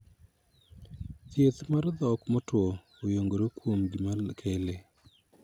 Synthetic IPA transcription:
t̪jet̪maɾd̪ɔkmɔtwo | ojoŋɡoɾokwomɡɪmakʰele

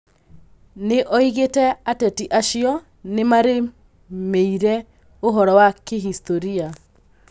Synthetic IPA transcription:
neʔɔiɣetɛatɛtiʔaʃiɔ | nemaɾe | meiɾɛ | oɦɔɾɔwakeɦistoɾia

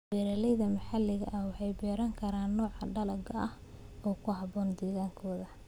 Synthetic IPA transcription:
bɛːɾɐlɛjðɐmɐħɑlɪɣɐ̰ʔɐhwɑħɑjbɛːɾɐŋkʰɐɾaːnːɔːʕɑɖɐlɐɡɐɐh | ɔːkʰʊɦɑβɔːnd̪ɛːɣaːŋkʰɔːðɐ

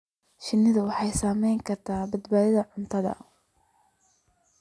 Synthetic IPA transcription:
ʃɪnːɪðʊwɑħɑjsaːmɛjŋkʰɐrt̪ʰaːbɐd̪baːðɪðɐʕʊnt̪ʰɐðɐ̰

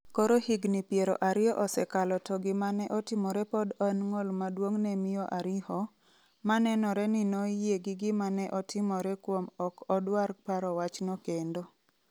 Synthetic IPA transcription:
koɾohiɡnɪpjeɾo̰ʔaɾɪɔʔɔsɛkalɔtɔɡɪmanɛʔɔtɪmɔɾɛpɔdɔnŋɔlmadwoŋnɛmɪjɔʔaɾɪhɔ | manɛnɔɾɛnɪnɔjeɡɪɡɪmanɛʔɔtʰɪmɔɾɛkwomɔkɔdwarpaɾɔwat͡ʃnɔkendo

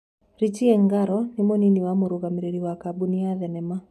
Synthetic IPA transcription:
ɾit͡ʃiɛŋɡaɾɔnɪmoniniwamoɾoɣameɾeɾiwakabuniaðɛnɛma

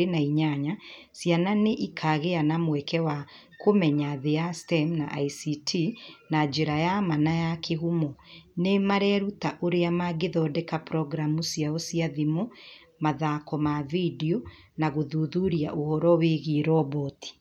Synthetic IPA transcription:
enaiɲaɲa | sjananeʔikʰaːɣeanamwɛkɛwa | komɛɲaðeastɛmnaʔaisitʰinad͡ʒeɾajamanajakʰeɣumɔnemaɾɛɾutaʔoɾeamaɡeðɔːdɛkapɾɔɡɾamusjaɔsiaðimo | maðakɔmavidio | naɣoðuðuɾia̰ʔohɔɾɔweɣiɾɔbɔti̥

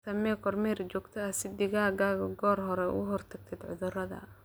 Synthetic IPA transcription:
sɐmɛːkʰɔrmɛːrt͡ʃɔːɡt̪ʰɐɐsɪd̪ɪɣaːɡaːɣɐɡɔːrɦɔɾɛʊ̰ɣɦɔrt̪ʰɐɡ̚t̪ʰɛd̪ʕʊ̰ðʊrɐðɐ̰

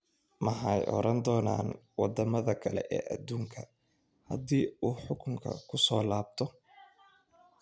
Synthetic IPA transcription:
mɐħɑjʔɔ̰ɾʔɐnd̪ɔːna̰ːnwɑd̪ɐmɐðɐkʰɐlɛʔɛːʔɐd̪uːŋkʰɐ | hɐd̪iːuːħʊkʰʊŋkʰɐ̰kʰʊsɔːlaːb̚t̪ʰɔ

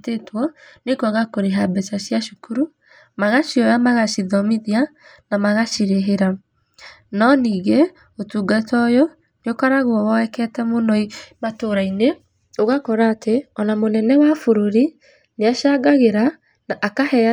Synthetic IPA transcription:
tetwɔnekaɣakoɾeɦabɛt͡ʃaʃijaʃukuɾu | maɣaʃiɔjamaɣaʃiðɔmiðia | namaɣaʃiɾeɦeɾa | nɔniːɣe | otuːɡatɔjɔ | neokaɾaɣwɔwɔɛkɛtɛmonɔimatoɾaine | oɣakɔɾaːtʰeɔnamonɛnɛwafoɾoɾi | neaʃaɡaɣeɾa | naʔːkahɛa

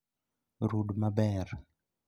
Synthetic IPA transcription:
ɾudmabɛɾ

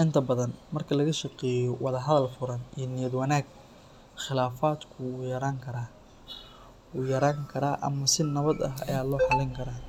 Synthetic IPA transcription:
ʔɪnt̪ʰɐbɐðɐnmɐrkʰɐlɐɣɐʃɐqɛːjɔwɑðɐɦɐðɐlfʊɾɐniːnɪjɐd̪wɐnaːɡ | χɪlaːfaːd̪kʰʊːjɐɾaːŋkʰɐɾa | uːjɐɾaːŋkʰɐɾaːʔɐ̰mɐsɪnɐβɐd̪ɐɦɐ̰jaːd̪lɔːħɑlɪŋkʰɐɾaː

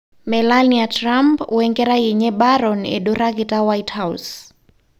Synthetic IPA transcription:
mɛlaniatɾampwɛŋɡɛɾajiɲɛɓaɾɔnɛ̰ɗuɾakitawajthaus

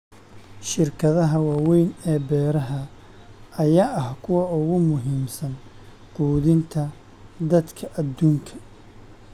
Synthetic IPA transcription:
ʃɪrkʰɐðɐɦɐwɑːwɛjnɛːbɛːɾɐɦɐ | ɐjaːʔɐhkʰʊwɑʊɣʊmʊɦiːmsɐn | quːðɪnt̪ʰɐ | d̪ɐd̪kʰɐʔɐd̪ːuːŋkʰɐ̥

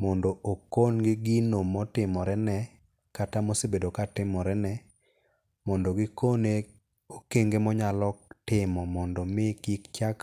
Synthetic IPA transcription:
mɔndoʔokonɡɪɡɪnomɔtɪmɔɾɛnɛ | katamosebedokatɪmɔɾɛnɛ | mɔndoɡɪkone | okeŋɡemɔɲalɔtɪmɔmɔndɔmɪkikt͡ʃak

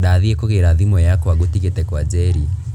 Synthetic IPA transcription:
daːðiekoɣeɾaðimɔjakoaɣotiɣetɛkwad͡ʒɛɾi

